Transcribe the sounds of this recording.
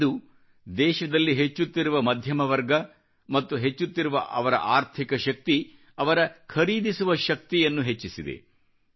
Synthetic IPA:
d̪u | d̪ɛːʃɐd̪ɐlːiɦet͡ʃːut̪ːiɾuʋɐmɐd̪ʱjɐmɐʋɐɾɡɐ | mɐt̪ːuɦet͡ʃːut̪ːiɾuʋɐ̰ʔɐʋɐɾɐ̰ʔaːɾt̪ʰikɐʃɐk̚t̪i | ɐʋɐɾɐkʰɐɾiːd̪isuʋɐʃɐk̚t̪ijɐnːuɦet͡ʃːisid̪ḛ

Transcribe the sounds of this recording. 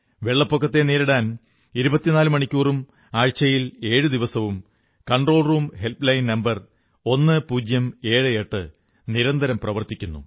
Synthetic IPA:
ʋe̞ɭːɐpːokːɐt̪ːe̞neːɾiɽaːn | iɾubɐt̪ːinaːlumɐɳikʲːuːrum | aːɻt͡ɕːɐjile̞ːɻɨd̪iʋɐsɐʋum | kɐɳɖro̞ːɭruːmhe̞lplɐjinnɐmbɐr | o̞nːɨpuːd͡ʑjɐme̞ːɻɨeʈːɨ | niɾɐnd̪ʱɐɾɐmprɐʋɐrt̪ːikʲːunːṵ

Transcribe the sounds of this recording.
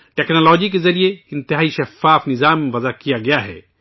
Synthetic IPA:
ʈeːknoːlɔːd͡ʒik̬ezɐɾijeɪ̃nt̪ɪɦaːiʃɐfaːfnɪzaːmʋɐzakijaɡɐjaɦɛ̰ː

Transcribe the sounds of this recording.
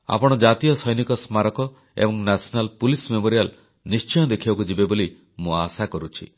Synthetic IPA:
a̰pɔɽ̃ɔd͡ʒat̪ijɔsɔjnikɔsmaɾɔkɔ | ḛbɔŋnasʰɔnalpulismemoɾijal | nist͡ʃɔj̃ɔd̪ekʰibakud͡ʒibeboli | mũasakɔɾut͡ʃʰḭ

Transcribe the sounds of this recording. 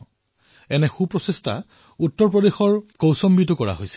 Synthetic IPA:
ɛnɛxupɹɔsestʰa̰ | utːɔɹpɹɔdexɔɹkowsɔmbitʊkɔɹa̰ɦojsɛ̥

